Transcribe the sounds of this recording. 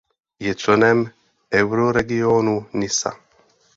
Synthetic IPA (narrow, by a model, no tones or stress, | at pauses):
jet͡sonɛm | ɛwɾoɾɛɡijonunisa̰